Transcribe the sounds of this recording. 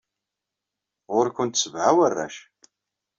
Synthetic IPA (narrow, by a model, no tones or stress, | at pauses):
ʁʊɾkʷʊnt̪səvʕawərːæ̰ʃ